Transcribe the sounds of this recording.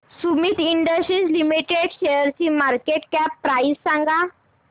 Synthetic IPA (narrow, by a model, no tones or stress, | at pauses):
sumiːt̪iɳɖəsʈɾiːd͡zlimiʈeɖɕeəɾt͡ɕiːmaɾkeʈkapːɾaissãŋɡa